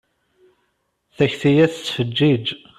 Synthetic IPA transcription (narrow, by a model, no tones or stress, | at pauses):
θæçθijæθət͡sːfəd͡ʒːid͡ʒ